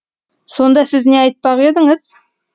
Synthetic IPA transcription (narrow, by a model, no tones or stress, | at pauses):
so̞nd̪ɑsɪzne̞ɑjt̪̚pɑʁe̞d̪ɪŋəz̥